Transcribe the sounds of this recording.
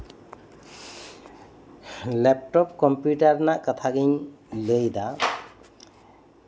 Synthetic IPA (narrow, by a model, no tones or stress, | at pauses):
lɛp̚ʈɔp̚kɔmpjutaɹnaʔkat̪ʰaɡiɲləjd̪a